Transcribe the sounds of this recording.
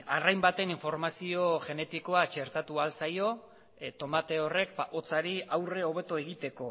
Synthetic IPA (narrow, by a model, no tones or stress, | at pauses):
arajmbat̪e̞niɱfo̞ɾmasio̞ʝe̞ne̞t̪iko̞at͡ʃe̞ɾt̪at̪ualsajo̞ | t̪o̞mat̪e̞o̞re̞k̚pao̞t͡saɾiawre̞o̞β̞e̞t̪oe̞ɣit̪e̞ko̞